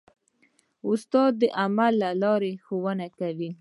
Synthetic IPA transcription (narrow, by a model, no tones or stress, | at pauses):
ʊst̪ɑd̪̚ːəʔamalːalɑɾexowənakawi